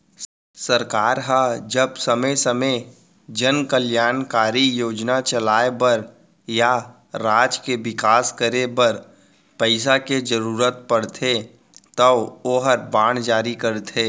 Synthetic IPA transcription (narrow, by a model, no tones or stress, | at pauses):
səɾkaːɾɦad͡ʒəbsəməsəmə | d͡ʒənkəljaːnkaːɾijoːd͡ʒnat͡ʃəlaːebəɾ | ja | ɾaːd͡ʒkeʋɪkaːskəɾebəɾ | pəɪsaked͡ʒəɾuːɾət̪̚pəɽt̪ʰe | t̪əoːɦəɾbaːɳd͡ʒaːɾikəɾt̪ʰeː